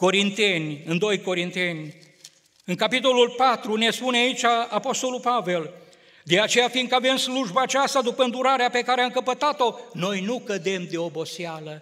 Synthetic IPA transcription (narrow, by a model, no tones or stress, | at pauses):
ko̞ɾint̪e̞nʲɨnd̪o̞jko̞ɾint̪e̞nʲ | ɨŋkapit̪o̞lulpat̪ɾune̞spuneait͡ʃʲaːpo̞st̪o̞lulpave̞l | d̪e̞at͡ʃe̞jafin̚kave̞msluʒbaːt͡ʃast̪ad̪upəɨnd̪uɾaɾeape̞kaɾeamkəpət̪at̪o̞no̞jnukəd̪e̞md̪e̞o̞bo̞sialə